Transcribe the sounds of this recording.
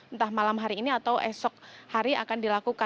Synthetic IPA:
nt̪ahmalamɦaɾiːniat̪awʔɛsɔk̚haɾia̰kandilakuka

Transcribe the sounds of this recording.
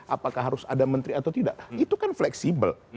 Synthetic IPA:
ʔapakahɦaɾʊsadamənt̪ɾiat̪awt̪idaʔit̪ukanflɛksibə̰l

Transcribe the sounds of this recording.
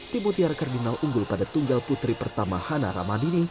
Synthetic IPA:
t̪imɔt̪iarkardinalʔuŋɡʊlpadat̪uŋɡalput̪ɾipərt̪amahana̰ɾa̰madini

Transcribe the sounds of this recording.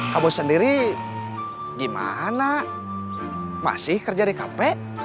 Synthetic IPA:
kamusəndiɾi | ɡima̰ɦana | ma̰sɪhkərd͡ʒadikapɛʔ

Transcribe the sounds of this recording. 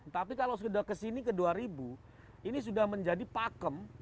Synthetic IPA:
t̪apikalas̬udakəsinikəduaɾibu | inis̬udahməɲd͡ʒadipakəm

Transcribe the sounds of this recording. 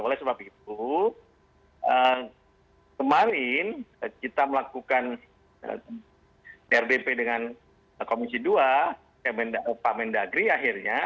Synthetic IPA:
olɛhsəbap̚it̪̚u | ʔə | kəmaɾɪnəkit̪aməlakukan | ə̰ | ɛrdepedəŋan | komisidua | kɛmɛndapamɛndaɡɾiaɦirɲa

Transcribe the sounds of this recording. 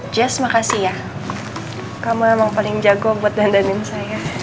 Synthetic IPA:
d͡ʒɛsmakasija | kamaɛmaŋpalɪŋd͡ʒaɡɔbuat̪̚dandanɪnsaja

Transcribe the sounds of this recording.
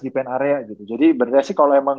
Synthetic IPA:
dipɛnaɾeaɡit̪ud͡ʒadibərreasɪkːaloemaŋ

